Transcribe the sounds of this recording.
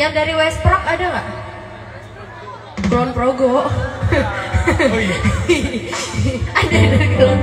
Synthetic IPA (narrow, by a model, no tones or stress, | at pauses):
jaŋdaɾiwɛs̚pɾɔkadaŋaʔ | klɔnpɾoɡɔ | adadaɾiklɔn